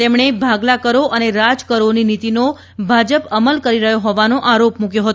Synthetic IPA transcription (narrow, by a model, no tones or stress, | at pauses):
t̪emɳebʱaɡlakəɾoʔəneɾad͡ʒkəɾoninit̪ino | bʱad͡ʒəpəməlkəɾiɾəɦjoɦɔʋanoʔaɾopmukjoɦət̪